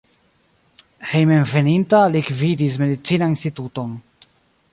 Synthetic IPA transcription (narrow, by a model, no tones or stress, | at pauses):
hejmenve̞nintalikvidis̬me̞dit͡sinainstituto̞n